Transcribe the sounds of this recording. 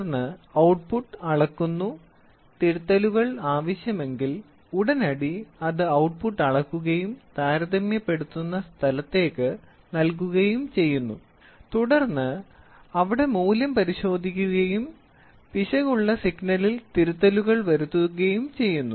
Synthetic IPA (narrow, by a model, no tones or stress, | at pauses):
rnːɨɐwʈ̚puʈːɐɭɐkːunːu | t̪iɾut̪ːɐluɣɐɭaːʋɐɕjɐme̞ŋɡil | uɽɐnɐɽiɐðɨɐwʈ̚puʈːɐɭɐkːuɣɐjumt̪aːɾɐðɐmjɐpːe̞ɽut̪ːunːɐst̪ʰɐlɐt̪ːe̞ːkːɨ | nɐlkuɣɐjumt͡ɕe̞jːunːu | t̪uɽɐrnːɨ | ɐʋiɽe̞muːlɐmpɐɾiɕo̞ːd̪ʱikʲːuɣɐjum | piɕɐɣuɭːɐsiɡnɐlilt̪iɾut̪ːɐluɣɐɭʋɐɾut̪ːuɣɐjumt͡ɕe̞jːunːu